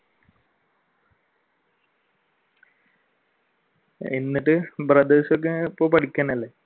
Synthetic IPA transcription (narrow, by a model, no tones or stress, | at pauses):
enːiʈːɨbrɐd̪eːɕok̬ːeipːoːpɐʈʰikʲːaːnɐlːe